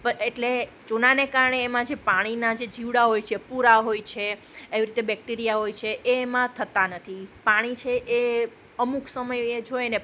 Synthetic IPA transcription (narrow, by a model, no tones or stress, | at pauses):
pəeʈle | t͡ʃunanekaɾəɳeːmãd͡ʒepaɽ̃inad͡ʒed͡ʒiʋɽaɦojt͡ʃʰepuɾaɦojt͡ʃʰe | eʋiɾit̪ebɛk̚ʈiɾijaɦojt͡ʃʰeʔeːmãt̪ʰət̪anət̪ʰipaɽ̃it͡ʃʰeʔe | əmuksəməjed͡ʒojne